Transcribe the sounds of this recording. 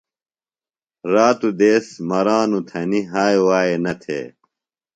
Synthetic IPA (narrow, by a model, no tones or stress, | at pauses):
ɾaːt̪ud̪eːsmɐɾaːnut̪ʰɐniɦaːjwaːenɐt̪ʰḛː